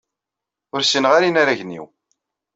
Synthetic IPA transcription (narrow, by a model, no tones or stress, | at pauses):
ʊɾsinʁaɾinaɾæʝnḭw